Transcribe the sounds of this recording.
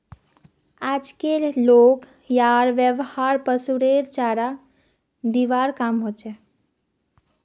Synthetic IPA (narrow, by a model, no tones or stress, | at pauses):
ad͡ʒkellok | jaɾʋjəʋhaɾpəsuɾeɾt͡ʃaɾa | d̪iʋaɾkamɦot͡ʃʰɛ